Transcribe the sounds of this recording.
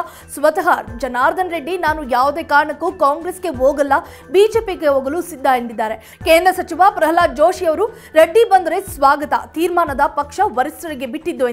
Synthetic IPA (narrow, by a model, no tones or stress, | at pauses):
sʋɐt̪ɐɦaːɾd͡ʒɐnaːɾd̪ʱɐnɾeɖːinaːnujaːʋud̪eːkaːɾɐɳɐkːukaːŋɡɾeːsɡe̞ɦoːɡɐlːɐ | biːd͡ʒeːpiɡeɦoːɡɐlusid̪ʱːaend̪id̪ːaːɾe̞ | keːnd̪ɾɐsɐt͡ʃiʋapɾɐɦɐlaːd͡ʒoːʂijɐʋɐɾu | ɾɐɖːibɐnd̪ɐɾesʋaːɡɐt̪ɐt̪iːɾmaːnɐd̪ɐpɐkʂɐʋɐɾisɾɐɾiɡe̞biʈːid̪ːue